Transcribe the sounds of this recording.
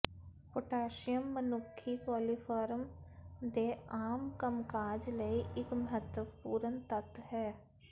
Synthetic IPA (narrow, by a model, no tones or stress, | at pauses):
poʈaːʃɪjəmːənʊkʰːikɔːlipʰaːɾmd̪eːaːmkəmkaːd͡ʒləiʔɪkməɦət̪əpuːɾənt̪ət̪hɛː